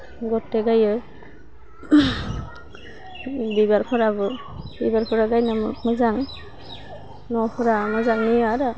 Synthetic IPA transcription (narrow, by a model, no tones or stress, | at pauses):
ɡɔtːeɡajɯ | bibaɾpʰɔɾabɯ | bibaɾpʰɔɾaɡajnamɯzaŋ | nɔpʰɔɾamɯzaŋnijɔaɾa